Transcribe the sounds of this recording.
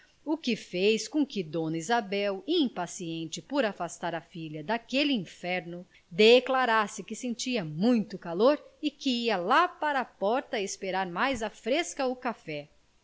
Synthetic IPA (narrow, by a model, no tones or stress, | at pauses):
ʊkɪfejskõkɪd̪õnɐizabɛwiĩpasiẽnt͡ʃɪpoɾafast̪aɾɐfiʎɐd̪akelɪĩfɛɾnʊ | d̪eklaɾasɪkɪsẽnt͡ʃiɐmũj̃t̪ʊkaloɾɪkɪiɐlapaɾɐːpɔɾt̪ɐɪspeɾaɾmajzɐfɾeskɐʊkafɛ